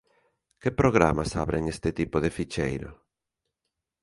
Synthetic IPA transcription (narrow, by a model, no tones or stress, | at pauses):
kepɾoɣ̞ɾa̰masa̰βɾeŋest̪ɪt̪ipoðefit͡ʃejɾo̰